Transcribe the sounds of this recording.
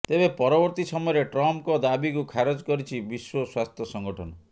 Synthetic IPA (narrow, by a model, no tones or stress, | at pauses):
t̪ebepɔɾɔbɔɾt̪isɔmɔjɔɾeʈɾɔmpkɔd̪abikukʰaɾod͡ʒkɔɾit͡ʃʰibiswɔswast̪ʰjɔsɔŋɡɔʈʰɔnɔ